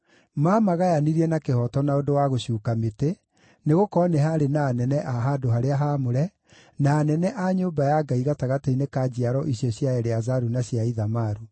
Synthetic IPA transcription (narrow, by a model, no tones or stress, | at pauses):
mamaɣajaniɾiɛnakehɔtɔnaondowaɣoɕjuːkamete | neɣokɔneɦaɾenaːnɛnɛʔaɦadoɦaɾeaɦamoɾɛ | naːnɛnɛʔaɲoːmbajaɡaiɣataɣateinekad͡ʑiaɾɔʔiɕjɔɕjaɛɾeazaɾunaɕjaiðamaɾu